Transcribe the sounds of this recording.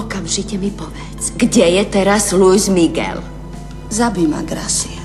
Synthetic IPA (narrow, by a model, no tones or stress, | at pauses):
ɔkamʒicɛmipɔʋɛt͡sɡɟɛjɛt̪ɛɾazlujzmiɡɛ̰l | zabima̰ɡɾa̰sia